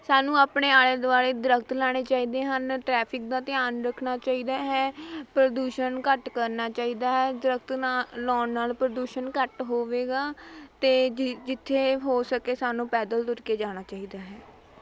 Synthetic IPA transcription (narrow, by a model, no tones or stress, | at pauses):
saːnũːaːpɳeːaːleːd̪ʊaːɾeːd̪ɾəkʰt̪laːɽ̃eːt͡ʃaːiːd̪eːɦənʈɾɛːpʰɪk̚d̪ãːt̪ɪaːnɾəkʰɳaːt͡ʃaːiːd̪aːɦɛːpɾəd̪uːʃənkəʈkəɾnaːt͡ʃaːiːd̪aːɦɛːd̪ɾək̚ʰt̪ːlɔːnnaːlpɾəd̪uːʃənkəʈɦoːʋeːɡaːt̪eːd͡ʒɪt̪ʰːeːɦoːsəkeːsaːnũːpɛːd̪əlt̪ʊɾkeːd͡ʒaːɽ̃aːt͡ʃaːiːd̪aːɦɛː